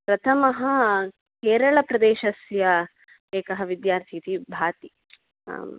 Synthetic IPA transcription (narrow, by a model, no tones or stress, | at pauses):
pɾɐt̪ʰɐmɐɦɐ | keːɾɐɭɐpɾɐd̪eːʃɐsjɐ | eːkɐɦɐʋid̪jaːɾt̪ʰit̪ʰibʱaːt̪ḭ